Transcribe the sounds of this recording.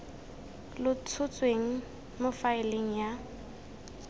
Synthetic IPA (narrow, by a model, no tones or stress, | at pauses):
lʊt͡sʰʊt͡sʼweŋ̩ | mʊfaɪleŋ̩ja